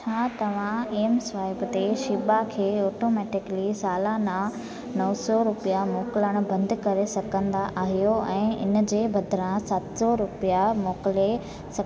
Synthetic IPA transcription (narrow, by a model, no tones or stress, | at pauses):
t͡ɕʰaːt̪ɐʋ̤ãeːmsʋaːɦɪbt̪eʃɪbakʰeːɔːʈoːmɛːʈɪklisaːlanã | nɐʋsɔɾʊpijamɔːkɪləɽ̃̆bɐ̃nd̪kɐɾesɐɡə̃nd̪aʔaːɦijoɛ̃ːɪ̰nd͡ʑeːbɐd̪ʱɪɾãsɐt̪sɔɾʊpijamɔːkɪle | sɐ